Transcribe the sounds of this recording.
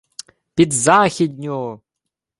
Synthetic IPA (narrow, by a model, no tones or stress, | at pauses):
pʲit̪zaxʲid̪̚ʲnʲo